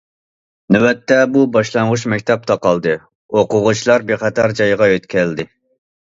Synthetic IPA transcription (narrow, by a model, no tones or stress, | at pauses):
nywɛt̪ːɛbubɑʃlˠɑŋʁʊʃmɛkʲt̪ʰɛp̚t̪ʰɑqɑlˠd̪ɨ | oqʊʁʊt͡ʃʰilˠɑɾbeχɛt̪ʰɑɾd͡ʒɑjʁɑøt̪kʲʰɛld̪ɪ